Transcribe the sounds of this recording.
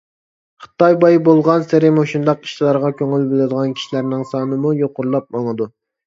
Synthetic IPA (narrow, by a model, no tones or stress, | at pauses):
χɨ̥t̪ɑjbɑjbolˠʁɑnsɪɾɪmhoʃund̪ɑqi̥ʃt̪ʰɪlˠɑɾʁɑkʲʰøŋylbɪlɪd̪əʁɑnkʲʰi̥ʃilæɾnɪŋsɑːnɨmujoqʊɾlˠɑp̚mɑŋɨd̪u